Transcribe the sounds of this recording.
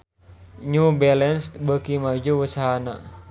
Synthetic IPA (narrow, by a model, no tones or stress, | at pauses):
ɲubɛlɛnst̪bəkimad͡ʒuwusaɦana̰